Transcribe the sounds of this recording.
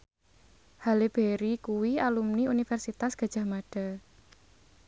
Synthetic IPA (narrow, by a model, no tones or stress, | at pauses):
haleb̥eɾikuwialumniunifɛrsit̪asɡ̥a̤̥d͡ʒ̥a̤hmaɖ̥a̤